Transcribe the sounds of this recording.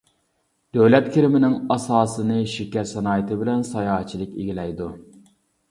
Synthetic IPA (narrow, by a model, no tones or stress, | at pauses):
d̪̥øwlɛt̪̚kʲʰiɾɪmɪnɪŋɑsɑːsɨnɨʃikʲɛɾsɛnɑːjət̪ɨbɪlɛnsɑjɑːɦt͡ʃʰilˠɪkʲeɡʲilɛjd̪u